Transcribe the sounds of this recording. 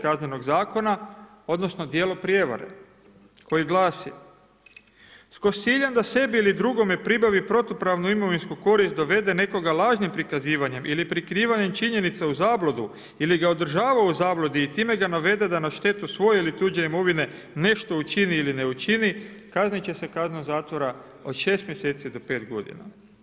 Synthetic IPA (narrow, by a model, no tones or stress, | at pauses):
kazneno̞ɡzaːko̞na | o̞d̪no̞sno̞d̪je̞ːlo̞pɾje̞ʋa̰ɾḛ | ko̞jiɡlˠaːsḭ | sko̞siʎand̪ase̞biilid̪ɾuɡo̞me̞pɾibaʋipɾo̞t̪opɾaʋnuimo̞ʋinskuko̞ɾist̪̚d̪o̞ʋe̞d̪e̞ne̞ko̞ɡalˠaːʒnimpɾikaziːʋaɲe̞mʔilipɾikɾiːʋaɲe̞mt͡ʃiɲe̞nit̪seuzaːblˠod̪u | iliɡao̞d̪r̩ʒaːʋauzaːblˠo̞d̪iːt̪iːme̞ɡanaʋe̞d̪e̞d̪anaʃt̪e̞t̪usʋo̞je̞ilit̪uːd͡ʑeimo̞ʋine̞ | ne̞ʃt̪o̞ut͡ʃiniːlineut͡ʃinikaznit͡ɕe̞se̞kaznuzaːt̪ʋo̞ɾa | ot̪ʃe̞ːst̪mjese̞ːt̪sid̪o̞pe̞ːt̪ɡo̞d̪ḭna̰